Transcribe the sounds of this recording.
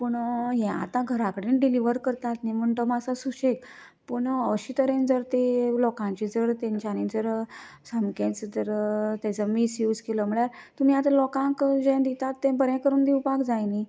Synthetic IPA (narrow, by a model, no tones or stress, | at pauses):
puɳɦɛ̃a̰t̪ãɡʱəɾakəɽinɖiliʋəɾkəɾt̪at̪nim̤əɳʈ̪əmasasuɕek | puɳəɕiːt̪əɾẽnd͡zəɾt̪elɔkãɲt͡ɕid͡zəɾt̪ɛ̃ɲt͡ɕanid͡zəɾsəmkẽt͡sd͡z̪əɾt̪ɛ̃d͡zəmisjuːd͡zkeləm̤əɭjaɾt̪um̤iːat̪alɔkãŋkd͡ʑɛ̃d̪it̪at̪ːɛ̃bəɾɛ̃kəɾuːnd̪iwpakd͡zajni